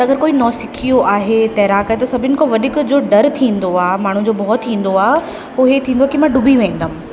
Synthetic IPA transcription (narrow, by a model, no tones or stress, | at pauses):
ɐɐɡəɾkoːinɔːsɪkʰijoʔaːɦet̪ɛːɾaːkəɦet̪ɐsɐbʱɪnɪ̆koʋɐɗɪkd͡ʑoːɖɐɾt̪ʰĩːn̆d̪oaːɦmaːɳ̤ũd͡ʑoːbʱɔːt̪ʰːĩːn̆d̪oaːɦe | ʊɦet̪ʰĩːnd̪oaekimãːɖʊbʱiʋẽĩːnd̪am